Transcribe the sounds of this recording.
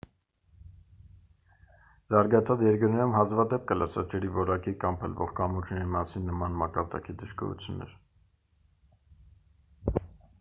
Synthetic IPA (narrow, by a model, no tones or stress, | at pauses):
zɑɾɡɑt͡sʰɑt͡sjɛɾkəɾnɛɾumhɑzvɑd̪ɛp̚kələsɑd͡ʒɛɾivɔɾɑkikɑmpʰəlvɔʁkɑmut͡ʃʰnɛɾimɑsinːəmɑnmɑkɑɾd̪ɑ̰kid̪əʃkɔ̰ɾṵt͡sʰjunːɛ̰ɾ